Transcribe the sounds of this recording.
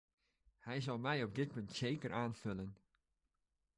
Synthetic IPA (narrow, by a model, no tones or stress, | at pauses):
hɛjzɑlˠmɛjɔp̚dɪt̚pɵntseːkəraːnfølən